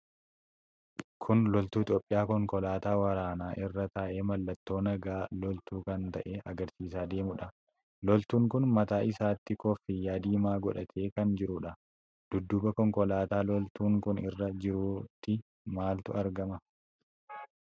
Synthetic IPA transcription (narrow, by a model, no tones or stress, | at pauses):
kʰʊnlɔlt̪uːɪt̪joːpʼːɪjaːkɔŋkɔlaːt̪aːwɐɾaːnaːʔɪrːɐt̪aːʔeːmɐlːɐt̪ːo̞ːnɐɡaːlɔlt̪uːkɐnt̪ɐʔeːʔɐɡɐɾsiːsaːd̪e̞ːmʊᶑɐ | lɔlt̪uːŋkʊnmɐt̪aːʔɪsaːt̪ːɪkɔfːɪjaːd̪iːmaːɡɔᶑɐt̪ʰe̞ːkɐnd͡ʒɪɾuᶑɐ | d̪̥ʊd̪ːʊbɐkɔŋkɔlaːt̪aːlɔlt̪uːŋkʊnɪ̰rːɐd͡ʒɪɾuːt̪ːɪ | maːlt̪ʊɐɾɡɐmɐ